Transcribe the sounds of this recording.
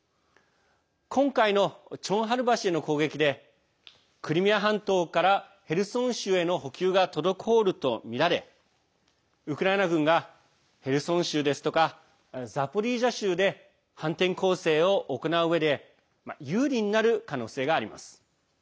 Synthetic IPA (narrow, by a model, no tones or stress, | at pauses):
kʰõ̞ŋkaino̞t͡ɕõ̞ɰ̃ɦaɾɯ̟baɕieno̞ko̞ːɡe̞kʲid̪e̞ | kɯ̟ɾʲimʲijaɦãnt̪o̞ːkaɾa | he̞ɾɯ̟sõ̞ɰ̃ɕɨːe̞no̞ɦo̞kʲɨːɡat̪o̞d̪o̞kʰo̞ːɾɯ̟t̪o̞mʲiɾaɾe̞ | ɯ̟kɯ̟ɾaenaɡɯ̟̃ŋɡa | he̞ɾɯ̟sõ̞ɰ̃ɕɨːd̪e̞sɨ̥t̪o̞ka | zapo̞ɾʲiːʑaɕɨːd̪e̞ | hãnt̪ẽ̞ŋko̞ːse̞ːo̞ʔːko̞naɯɯ̟βe̞d̪e̞ | ma̰jɯːɾʲĩɲ̟inaɾɯ̟kano̞ːse̞ːɡaːɾʲima̰sɨ̥